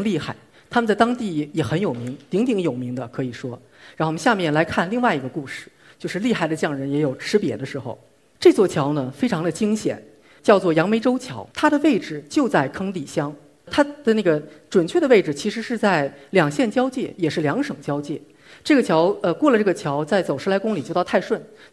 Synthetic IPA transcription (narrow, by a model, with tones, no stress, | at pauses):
li˥˧xa˥˩ɪ | t̪ʰa˥mə˧nt͡sa˥˩ɪt̪ɑ˥ŋt̪i˥˩jɛ˨˩xə˧˥njo˨˩ʊmi˧˥ŋt̪i˧˥ŋt̪̬i˧˥ŋjo˨˩ʊmi˧˥ŋd̪ə˧kʰɤ˧˥i˨˩ʂwɔ˥ | ɻa˧˥no˥˧˩ɕja˥˧mjɛ˥˩nla˧˥ɪkʰa˥˧nli˥˧ŋwa˥˩ɪi˧˥ɡə˧ku˥˧ʂɻ̩̥˥˩ | t͡ɕjo˥˧ʊʂɻ̩˥˧li˥˧xa˥˩ɪd̪ə˩t͡ɕjɑ˥˩ŋɻə˧˥njɛ˧˥jo˨˩ʊʈ͡ʂʰɻ̩˥pjɛ̰˧˥d̪ə˧ʂɻ̩˧˥xo̰˧ʊ | ʈ͡ʂɤ˥˧t͡swɔ˥˩t͡ɕʰjɑ˧˥ʊnə˨fe˥ɪʈ͡ʂʰɑ˧˥ŋd̪ə˧t͡ɕi˥ŋɕjɛ̰˨˩˦n | t͡ɕjɑ˥˧ʊt͡swɔ˥˩jɑ˧˥ŋme˧˥ɪʈ͡ʂo˥ʊt͡ɕʰjɑ˧˥ʊt̪ʰa˥d̪ə˨we˥˩ɪʈ͡ʂɻ̩˨˩t͡ɕjo˥˧ʊt͡sa˥˩ɪkʰɤ˥ŋt̪i˨˩ɕjɑ˥ŋ | t̪ʰa˥d̪̥ə˨na˥˩ɡə˩ʈ͡ʂwə˨˩nt͡ɕʰɥɛ˥˩d̪ə˩ʋe˥˩ɪʈ͡ʂɻ̩˩t͡ɕʰi˧˥ʂɻ̩˧˥ʂɻ̩˧˥t͡sa˥˩ɪljɑ˨˩ŋɕjɛ˥˩nt͡ɕjɑ˥ʊt͡ɕjɛ̰˥˩jɛ˨˩ʂɻ̩˥˩ljɑ˧˥ŋʂɤ˨˩ŋt͡ɕjɑ˥ʊt͡ɕjɛ̰˥˩ | ʈ͡ʂɤ˥˩ɡə˩t͡ɕʰjɑ˧˥ʊə˧kwɔ˥˩lə˩ʈ͡ʂɤ˥˩ɡə˩t͡ɕʰjɑ˧˥ʊt͡sa˥˩ɪt͡so˨˩ʊʂɻ̩˥la˧˥ɪkʊ˥ŋli˨t͡ɕjo˥˧ʊt̪ɑ˥˧a˥˧ɪʂwə˥˩n